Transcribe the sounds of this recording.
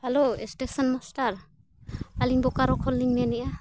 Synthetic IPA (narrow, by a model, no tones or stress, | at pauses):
haloɛstesɔnmɔstaɹ | aliŋbɔkaɾɔkʰɔlːiŋnɛniʔa